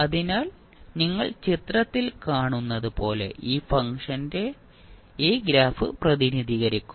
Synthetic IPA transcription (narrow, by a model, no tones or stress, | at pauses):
ɐðinaːl | niŋːɐɭt͡ɕit̪rɐt̪ːilkaːɳunːɐðɨpo̞ːle̞̰ʔiːfɐŋʂɐnde | iːɡɾaːfɨ̰prɐðiniðiːɣɐɾikʲːu̥m